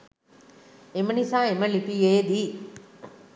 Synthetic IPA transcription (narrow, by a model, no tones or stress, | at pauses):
emənisaːeməlipijeːd̪iː